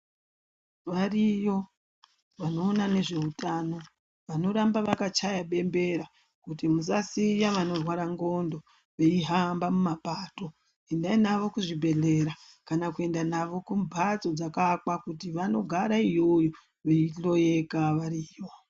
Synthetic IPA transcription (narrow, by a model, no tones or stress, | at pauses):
ʋarijo̞ | ʋano̞ːnane̞ʐe̞utaːno̞ | ʋano̞ɾambaʋakat͡ʃajaɓe̞mbe̞ɾa | kutimusasijaʋano̞rwaɾaŋɡo̞ndo̞ | ʋeiɦambamumapato̞ | endainaʋo̞kuʐibʱe̞ɮe̞ɾakanakue̞ndanaʋo̞kumbʱat͡so̞d͡zakakwakutiʋano̞ɡʱaɾaijo̞jo | ʋe̞iɬo̞je̞kaʋaɾiːjo